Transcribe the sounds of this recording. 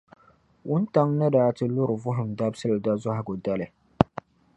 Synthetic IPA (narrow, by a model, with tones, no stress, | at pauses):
ʔʊ˦nta˦ŋnɨ˦daː˦tɨ˦lʊ˦ɾɨ˨vʊ˦ɦʊ˨mda˦bsɨ˦lɨ˨da˦za˦ha˨ɡʊ˨da˦lɨ˨